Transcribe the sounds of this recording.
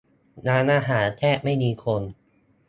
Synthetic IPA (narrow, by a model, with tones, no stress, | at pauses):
naː˧nʔaː˧ɦaː˩˦nk̪ʰɛː˥˩ma˥˩jmiː˧kʰo˧n